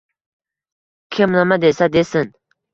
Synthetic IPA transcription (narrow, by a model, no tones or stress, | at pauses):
kʰemnamad̪esad̪esən